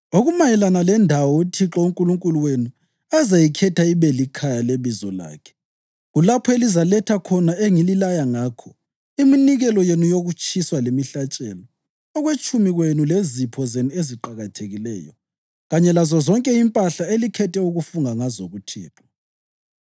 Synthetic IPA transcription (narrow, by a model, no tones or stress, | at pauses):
oɣumajɛlanalɛndʱawɔutʰiǁɔuŋkʼuluŋkʼuluwenu | azajikʰɛtʰaiβɛlikʰajaleβizɔ̰la̰ːkʰɛ̥ | ɣulapʰɔelizalɛtʰakʰɔnaeŋililajaŋaːkʰɔ | iminiɣɛlɔjenujoɣut͡ʃʰʼiswalemiɬat͡ʃʼɛlɔ | ɔɣwet͡ʃʼumiɣwenulezipʰɔzenueziǃaɣatʰeɣilɛ̰ːjɔ | ɣaɲɛlazɔzɔŋkʼɛimpʼaɬaelikʰɛtʰɛuɣufuŋaŋazoɣutʰḭːtʰʼɔ̥